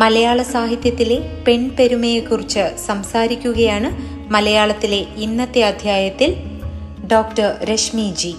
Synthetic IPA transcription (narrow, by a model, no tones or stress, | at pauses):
mɐlɐjaːɭɐsaːɦit̪jɐt̪ːile̞pe̞ɳpeɾumejekːurit͡ɕːɨsɐmsaːɾikʲːuɣɐjaːɳɨ | mɐlɐjaːɭɐt̪ːile̞inːɐt̪ːeɐd̪ʱjaːjɐt̪ːil | ɖo̞ːk̚ʈɐrɾeʂmid͡ʑi